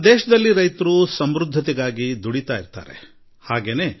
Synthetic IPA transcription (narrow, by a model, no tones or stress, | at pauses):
d̪eːʃɐd̪ɐlːiɾɐjt̪ɐɾusɐmɾud̪ʱːɐt̪iɡaːɡid̪uɽit̪aːjiɾt̪a̰ːɾḛ | haːɡe̞ːne̞ː